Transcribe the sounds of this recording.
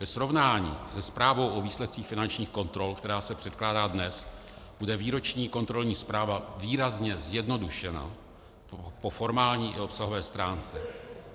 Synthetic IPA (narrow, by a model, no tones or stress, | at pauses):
vɛsɾo̞vnaːɲḭːzɛspɾaːvo̞wʔo̞viːslɛt̪̚t͡siːxfɪnant͡ʃɲiːxko̞nt̪ɾo̞lkt̪ɛɾaːsɛpr̥ɛt̪̚klaːdaːdnɛs | b̥udɛviːɾo̞t͡ʃɲiːko̞nt̪ɾo̞lɲiːspɾaːvaviːɾazɲɛzjɛdno̞duʃɛna̰ | po̞fo̞ɾmaːlɲiːʔɪ̰o̞psaɦovɛːst̪ɾaːnt͡sɛ